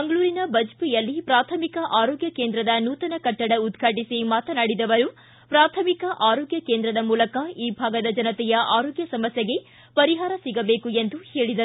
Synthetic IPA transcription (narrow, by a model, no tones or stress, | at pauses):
mɐŋɡɐɭuːɾinɐbɐd͡ʒpijɐlːipɾaːt̪ʰɐmikɐʔaːɾoːɡjɐke̞ːnd̪ɾɐd̪ɐnuːt̪ɐnɐkɐʈːɐɽɐud̪ɡʰʱaʈisimaːt̪ɐnaːɽid̪ɐʋɐɾu | pɾaːt̪ʰɐmikɐʔaːɾoːɡjɐke̞ːnd̪ɾɐd̪ɐmuːlɐkɐiːbʱaːɡɐd̪ɐd͡ʒɐnɐt̪ɛjɐʔaːɾoːɡjɐsɐmɐsjɐɡe̞ | pɐɾiɦaːɾɐsiɡɐbe̞ːkuend̪uhe̞ːɭid̪ɐu